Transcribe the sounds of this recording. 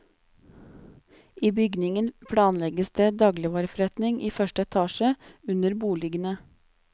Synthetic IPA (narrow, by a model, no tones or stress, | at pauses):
ʔiːbʏɡnɪŋənpʰɽɑːnlɛɡəsd̪eːd̪ɑːɡlɪʋɑːɾəfɾɛt̪nɪŋʔiːfœʃʈəɛt̪ʰɑːʃəʉnəɾbuːlɪɡənə